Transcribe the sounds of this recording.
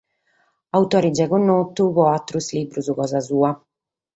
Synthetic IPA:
awt̪ɔːɾid͡ʒɛɣunːɔt̪ːuβɔat̪ːɾusliːbɾuzukɔːzazuːa

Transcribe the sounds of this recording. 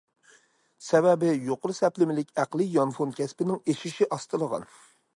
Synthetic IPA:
sɛvɛbɪjoqʊɾɨsɛplɪmɪlɪkʲæqlˠɨjɑnfonkʲʰɛspɪnɪŋeʃiʃiʔɑst̪ɨlˠəʁɑ̰n

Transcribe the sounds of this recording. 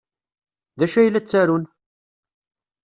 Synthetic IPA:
ðæʃæjlːæt͡sːæɾun

